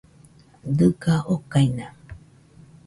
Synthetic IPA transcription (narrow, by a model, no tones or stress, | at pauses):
dɨɡaʔokaina